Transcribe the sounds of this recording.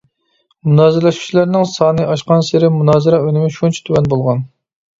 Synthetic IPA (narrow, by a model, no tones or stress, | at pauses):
munɑːzɪɾlɛʃku̥t͡ʃʰilæɾnɪŋsɑːnɨʔɑʃqɑnsɪɾɪmunɑːzɨɾɑønɪmɪʃunt͡ʃʰi̥t̪ʰywɛnbolˠʁɑn